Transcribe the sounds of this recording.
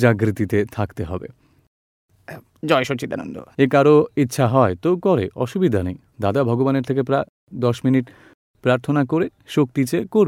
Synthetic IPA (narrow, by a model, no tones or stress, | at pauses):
d͡ʑaɡɾit̪it̪et̪ʰakt̪eɦɔ̰bḛ | d͡ʑɔejʃot͡ɕit̪ano̰nd̪o̰ekaɾoitːɕʰaɦɔet̪okɔɾeʔɔʃubid̪ʱanej | d̪ad̪abʱɔɡobaneɾt̪ʰekepɾae | d̪ɔʃminiʈ | pɾaɾt̪ʰonakoɾeʃok̚t̪it͡ɕekoɾ